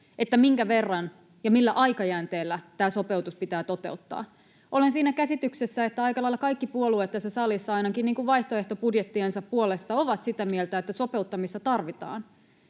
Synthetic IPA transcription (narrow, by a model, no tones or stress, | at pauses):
et̪ːæmiŋkæʋe̞rːɑn | jɑmilːæʔɑjkɑjæːnt̪eːlːæt̪æːso̞pe̞wt̪uspit̪æːt̪o̞t̪e̞̰ut̪ːɑ̰ː | ʔo̞lensiːnækæsit̪yksesːæe̞t̪ːæɑikɑlɑilːɑkɑikːipuoluet̪tːæsːæsɑlisːɑɑinɑkinniːŋkuʋʋɑjht̪oe̞ht̪o̞pudjet̪ːiensæppuole̞st̪ɑo̞ʋɑt̪sit̪æmielt̪æet̪ːæso̞pe̞ut̪ːɑmist̪ɑt̪ɑrʋit̪ɑ̰ːn